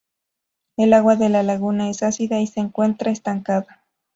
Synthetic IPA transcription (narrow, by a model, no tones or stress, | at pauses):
e̞laɣwaðe̞lalaɣunae̞sasiðaise̞ːŋkwe̞nt̪ɾaest̪aŋkaða